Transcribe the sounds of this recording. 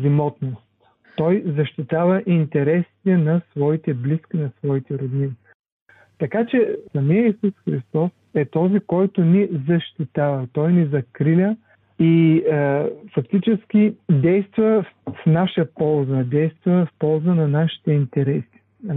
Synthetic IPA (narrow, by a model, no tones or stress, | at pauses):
zimɔt̪nost̪ | t̪ɔjzɐʃt̪it̪avɐʔint̪ɛɾɛsi̥t̪ɛnɐsvɔit̪ɛbliskʲinɐsvɔit̪ɛɾod̪ni | t̪ɐkat͡ʃɛsɐmiəisusxɾist̪ɔsɛt̪ɔzikɔjt̪ʊnizɐʃt̪it̪avɐt̪ɔjnizɐkɾilʲə | i | fɐkt̪it͡ʃɛsk̟ʲid̪ɛjst̪vɐfnaʃəpɔlˠzəd̪ɛjst̪vɐfpɔlˠzənɐnaʃi̥t̪ɛint̪ɛɾɛsi̥